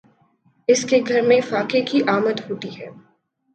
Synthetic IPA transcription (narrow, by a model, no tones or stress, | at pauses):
ɪskeɡʱɐɾmẽfaːkekiʔaːmət̪ɦoːʈ̪iɦɛː